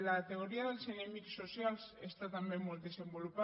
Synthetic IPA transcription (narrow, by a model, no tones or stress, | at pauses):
lakt̪e̞ɣ̞o̞ɾiaðe̞lsenemikso̞sjalse̞st̪at̪amemold̪e̞se̞mbo̞lupa